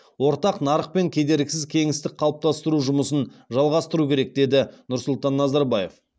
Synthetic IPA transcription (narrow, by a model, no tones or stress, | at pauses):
wo̞ɾt̪ɑqnɑɾəq̚pe̞ŋkʲʰe̞d̪e̞ɾɡʲɪsɪzkʲʰe̞ŋɪst̪ɪk̚qʰɑlˠəp̚t̪ɑst̪əɾuʒʊməsənʒɑlˠʁɑst̪əɾukʲʰe̞ɾe̞k̚d̪e̞d̪ɪnʊɾsʊlˠt̪ɑnːɑzɑɾbɑje̞f